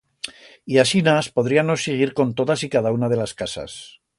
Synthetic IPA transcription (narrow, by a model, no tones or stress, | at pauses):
iasinaspo̞ðɾianoseɣ̞iɾko̞nt̪o̞ðasikaðaunað̞e̞laskasa̰s